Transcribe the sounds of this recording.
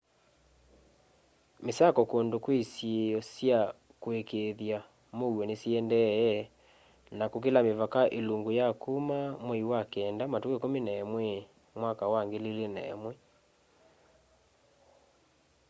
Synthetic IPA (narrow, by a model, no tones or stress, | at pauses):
mesakɔkondokwesjeɔsja | kwekeðja | mowɛnesiɛndɛɛ | nakok̬elamevakaʔeluŋɡojakumamɛiwakɛːndamatukekominaɛmwɛ | mwakawaŋɡelelenaɛmwɛ